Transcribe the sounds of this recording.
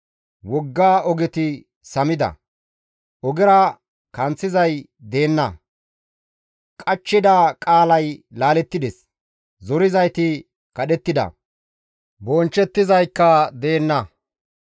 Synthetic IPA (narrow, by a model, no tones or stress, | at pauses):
wɔɡːaːʔɔɡɪt̪ɪ | sɐmɪd̪ɐ̰ | ʔɔɡɛɾɐ | kɐnt͡sːɪzɐj | d̪e̞ːnːɐ | kʼɐt͡ʃːɪd̪aːkʼaːlɐjlaːlɛt̪ːɪd̪ɛs | zɔɾɪzɐjt̪ɪ | kɐɗɛt̪ːɪd̪ɐ̰ | bɔnt͡ʃːɛt̪ːɪzɐjkːɐd̪e̞ːnːɐ